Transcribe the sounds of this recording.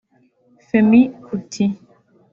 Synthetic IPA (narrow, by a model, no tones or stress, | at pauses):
femikʰutʰi